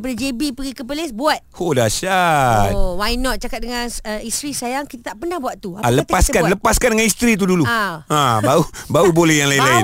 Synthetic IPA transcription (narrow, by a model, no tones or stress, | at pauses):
p̬adad͡ʒebipəɡikəp̬əlesbuat̪̚hodaʃat̪wajnɔt̪̚t͡ʃakat̪̚dəŋãnəist̪ɾisajaŋkit̪at̪aʔpənahbuat̪̚t̪uaaləpaskannləpaskandəŋanist̪ɾit̪uduluaãbaubaubolɛhjaŋlainlaɪn